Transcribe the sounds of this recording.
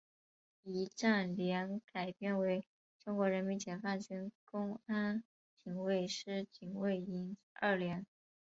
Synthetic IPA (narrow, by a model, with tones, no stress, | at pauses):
i˧˥ʈ͡ʂa˥˩nljɛ˧˥nka˨˩ɪpjɛ˥˩nwe˧˥ɪ | ʈ͡ʂʊ˥ŋkwɔ˧˥ɻə˧˥nmi˧˥nt͡ɕjɛ˨˩nfa˥˩nʈ͡ʂi˥nkʊ˥ŋa˥n | t͡ɕi˨˩ŋwe˥˩ɪʂɻ̩˥t͡ɕi˨˩ŋwe˥˩ɪi˧˥n | ə̰˥˩ljɛ˧˥n